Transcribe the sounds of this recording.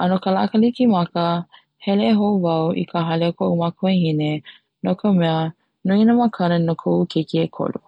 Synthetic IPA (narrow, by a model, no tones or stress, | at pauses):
ənokəlakəlikimɐkə | hɛleːɦowvɐwʔḭkʰaɦɐleokoʔumakʰoehine | nokʰəmɛə | noinəmakʰɐnənokʰoukʰekiekʰo̰lṵ